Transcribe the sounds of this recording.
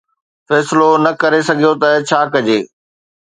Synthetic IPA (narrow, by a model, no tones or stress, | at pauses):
fɛːsɪlonɐkɐɾesɐɡʱijot̪ɐt͡ɕʰaːkɐd͡ʑeː